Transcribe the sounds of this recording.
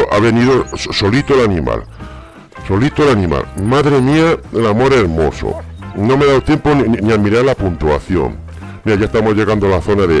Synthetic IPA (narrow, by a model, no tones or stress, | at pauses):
ʔaβeniðosso̞lit̪oelanĩma̰l | so̞lit̪oelanĩma̰lmaðɾemiaelamo̞ɾe̞ɾmo̞̰so̰nomeðawt̪je̞mponnniamiɾaɾlapunt̪uaθjo̞̰ŋ | miajaest̪amozʝe̞ɣand̪oalaθo̞naðe